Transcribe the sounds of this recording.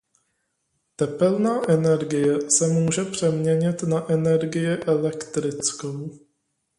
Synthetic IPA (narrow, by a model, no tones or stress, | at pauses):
t̪ɛpɛlnaːʔɛnɛɾɡɪjɛsɛmuːʒɛpr̝̥ɛmɲɛɲɪt̪naʔɛnɛɾɡɪjɪʔɛlɛkt̪ɾɪt͡skow